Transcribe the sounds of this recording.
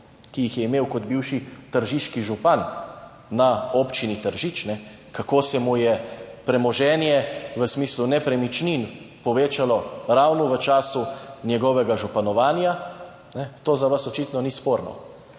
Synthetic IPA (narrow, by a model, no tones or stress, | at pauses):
kijixjɛimeːwkɔd̪biwʃit̪əɾʒiʃkiʒupanː | aopt͡ʃinit̪əɾʒit͡ʃnɛ | kakoːsɛmujɛpɾɛmɔʒɛːnjɛʋəsmiːslunɛpɾɛmit͡ʃninpɔʋeːt͡ʃalɔɾawnɔʋət͡ʃaːsunʲjɛɡɔʋɛɡaʒupanɔʋaːnja | nɛt̪oːzaʋasɔt͡ʃit̪nɔnispoːɾnɔ̰